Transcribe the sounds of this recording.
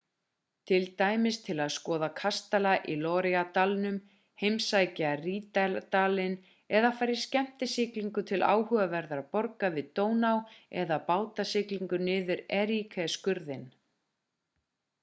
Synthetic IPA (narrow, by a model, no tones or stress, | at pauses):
t̪ʰɪlt̪aːjmɪst̪ʰɪlaðskɔːðakʰast̪alaʔilɔːɾɛat̪alnʏm | hejmsajcariːt̪alt̪aːlɪn | ɛðafaːjɾɪɾ̥scɛm̥t̪ɪsɪːkliŋkʏt̪ʰɪlʔa̰ːwhʏɣavɛɾðaɾpɔɾkavɪðt̪oːwnawɛðapaːwt̪asɪːkliŋkʏnɪːðʏɾɛɾikʰaskʏɾðɪn